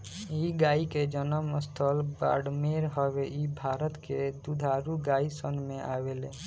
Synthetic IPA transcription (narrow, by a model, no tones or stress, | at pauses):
iɡaːiked͡ʒənəməst̪ʰəlba̰ːɖmeɾɦəʋeʔibʱaːɾət̪ked̪ud̪ʱaɾuɡaːisənmẽʔaːʋele